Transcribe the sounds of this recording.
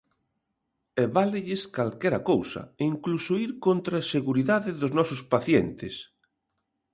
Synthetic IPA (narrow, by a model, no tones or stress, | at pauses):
ɛβalɪʎɪskalkɛɾɐkowsɐ̰iŋklusoiɾkont̪ɾaːseɣuɾiðaðɪðʊznɔsʊspaθjent̪ɪs